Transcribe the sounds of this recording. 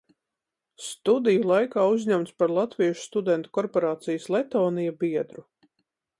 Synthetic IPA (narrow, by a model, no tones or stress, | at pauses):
st̪ud̪ijulˠajkaːuzʲɲʲamt̪spaɾlˠat̪viɛʃu̥st̪ud̪ɛnt̪u̥kɔɾpoɾaːt̪sijəslˠɛt̪oːnijabiɛd̪ɾu